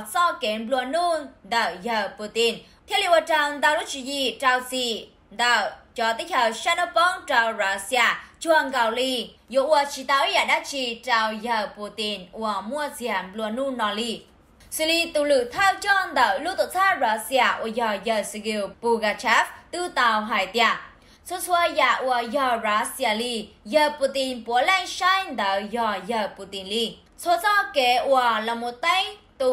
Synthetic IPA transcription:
sɔ˧ke˨˦nblu˧a˧˨nu˧nd̪ə˧˨wjə˨˧˩pu˧˩t̪i˧˩n | t̪ʰɛ˧li˧˨wa˧˨ʈ͡ʂa˧˩nd̪aː˧wlu˦˥t͡ʃi˧˨ji˧˩ʈ͡ʂa˧wsi˧˩ | d̪ə˧˩wt͡ɕɔ˧t̪i˦˥k̚hə˨˩wʃa˧nə˧pɔ˧ŋʈ͡ʂa˧˩wɹa˧si˧a˧t͡ɕu˧a˧˩ŋɡa˨˧˩wli˧ | jo˧˨ʔwə˧˩t͡ʃi˧t̪a˧wi˦ja˧˨˩ɗa˧˥t͡ɕi˧ʈ͡ʂa˧˩wjə˧˩pu˧˩t̪i˧nʔu˧ə˨˩mu˧ə˧zi˧a˨˩nblu˧a˧˨nu˧nɔ˧li˧ | si˧˨li˧t̪u˧lɨ˧˨t̪ʰa˧wt͡ɕɔ˧nd̪ə˨wlu˦˥˦t̪o˧˨t͡sa˦˥ɹa˨˧˦sja˨˩ʔṵ˧ə˨jɔ˧˩jə˧˩sə˧ɡi˧wpu˧ɡa˧˩t͡ʃʰɛ˧˦ft̪ɨ˧t̪a˧wɦa˨jt̪ja˨ | sʰo˧˦sʰu˧ə˧ja˧˩ʔu˧ə˨jɔ˧˩ɹa˨˦si˧a˧˨li˧ | jə˧˨pu˧t̪i˧npu˨ə˦lɛ˧ŋʃa˧jnd̪ə˨wjɔ˧jə˧˩pu˧t̪i˨nli˧˩ | sʰo˧˦t͡sa˧ke˨ʔu˧ə˨˩la˨mo˨t̪ə˧˥ŋt̪u˧˨

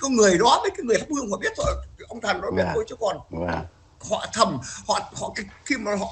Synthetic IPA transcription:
kɔ˨˧˦ŋɨ˨˩əjɗɔ˨˦ɓəː˨˦jkaː˨˦ŋɨ˨˩əjt̪aː˦˥p̚hɨ˧əŋhɔ̰˧˨ɓi˦˥ət̚t̪ʰo˧jʔə˧wŋ͡mt̪ʰa˨˩nɗɔ˨˦ɓi˦˥ət̚t̪o˧jt͡ɕɨ˨˦əkɔ˨˩n˨ | hɔ̰˧˨t̪ʰə˨˩mhɔ̰˧˨hɔ̰˧˨ka˨˦xi˧maː˨˩ɦɔ̰˧˨

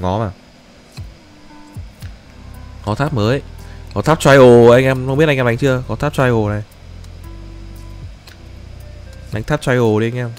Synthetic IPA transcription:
ŋɔ˨˦maː˨˩ | kɔ˨˦t̪ʰaː˦˥p̚məː˨˦jkɔ˨˦t̪ʰa˦˥p̚t͡ɕwa˧jʔo˨˩ʔa˧jŋʔɛ˧mə˧wŋ͡mi˦˥t̚ʔa˧˦ŋ˦t͡ɕɨ˧əkɔ˨˦t̪ʰaː˦˥p̚t͡ɕwa˧jʔo˨˩na˨˩j | ʔa˨˦ŋ̟t̪a˦˥t͡ɕaː˧jʔo˨˩ɗi˧a˧ŋ̟ʔɛ˧m

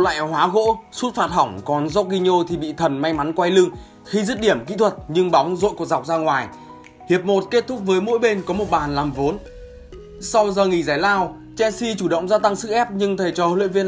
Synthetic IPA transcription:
la̰ː˧˨jɦwaː˨˦ɣo̰˧˥su˦˥t̚faː˨˩t̚ha˧˩wŋ͡mkɔ˨˦nzɔ˦˥ɣi˧ɲo˧t̪ʰi˨˩ɓḭ˧˨t̪ʰə˨˩nma˧jma˨˦nkwa˧jlɨ˧əŋ | xi˧zɨ˦˥t̚ɗi˧˩əmkḭ˧˥t̪ʰwə˨˩t̚ɲɨ˧ŋɓɔ˨˦wŋ͡mzo̰˧˨jku˨˩k̚za˨˩k͡p̚zaː˧ŋwaː˨˩j | hi˨˩əp̚mo˨˩t̚ke˦˥t̚t̪ʰʊ˦˥k͡p̚vəː˨˦jmo̰˧˥jɓe˧nkɔ˨˦mo˨˩t̚ɓaː˨˩nlaː˨˩mvo˨˦n | sa˧wzəː˨˩ŋi˧˩zaː˧˩jlaː˧w | t͡ɕɛ˧si˧t͡ɕu˧˩ɗə̰˧˨wŋ͡mzaː˧t̪a˧ŋsɨ̰˧˥ʔɛ˦˥p̚ɲɨ˧ŋt̪ʰə˧˩t͡ɕɔ˧˨lwḭ˧˨ənvi˧ə

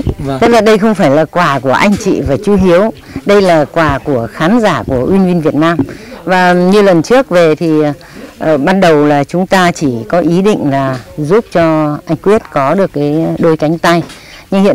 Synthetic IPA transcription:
ə˦˥k̚laː˨˩ɗə˧jxə˧wŋ͡mfaː˧˩jlaː˨˩kwaː˨˩ku˧˩əʔa˧jŋ̟t͡ɕḭ˧˨vaː˨˩t͡ɕu˧ɦi˨˦əw | ɗə˧jlaː˨˩kwaː˨˩ku˧˩əxaː˨˦nzaː˧˩ku˧˩əʔwi˧nvi˧nvi˨˩ət̚naː˧mvaː˨˩ɲɨ˧lə˨˩nt͡ɕɨ˦˥ək̚ve˨˩t̪ʰi˨˩˨ | ɓaː˧nɗə˨˩wlaː˨˩t͡ɕʊ˨˦ŋ͡mt̪aː˧t͡ɕi˧˩kɔ˨˦ʔi˨˦ɗḭ˧˨ŋ̟laː˨˩zu˦˥p̚t͡ɕɔ˧ʔa˧jŋ̟kwi˦˥ət̚kɔ˨˦ɗɨ˨˩əkːaː˨˦jɗo˧jka˨˦jŋ̟t̪a˧j | ɲɨ˧ŋhḭ˧˨ə˨

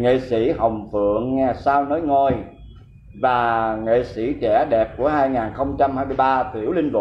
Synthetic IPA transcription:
ŋḛ˧˨si˧˩hə˨˩wŋ͡mfɨ̰˧˨əŋːɛ˧˩saː˧wno˨˦jŋo˧˩j | vaː˨˩ŋḛ˧˨si˧˩˥t͡ɕɛ˧˩ɗɛ˨˩p̚ku˧˩əɦaː˧jŋaː˨˩nxə˧wŋ͡mt͡ɕa˧mhaː˧jmɨ˧jɓaː˧t̪ʰḭ˧˩əwlï˧ŋ̟vʊ̰˨˩

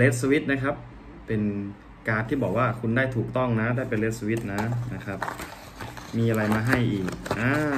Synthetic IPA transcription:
le˦˥t̪̚su˧wi˦˥t̪̚na˦˥kʰa˦˥p̚ | pe˧n | kaː˧t̪ʰiː˥˩bɔː˨˩k̚waː˥˩kʰu˧ndaː˥˩jt̪ʰuː˨˩k̚t̪ɔ˥˩ŋna˦˥d̪aː˧˩pe˧nle˦˥t̪̚su˧wi˦˥t̪̚na˦˥na˦˥˩kʰa˦˥p̚ | miː˧ʔa˧ɾa˧jmaː˧ɦa˥˩jʔiː˨˩k̚ʔaː˧

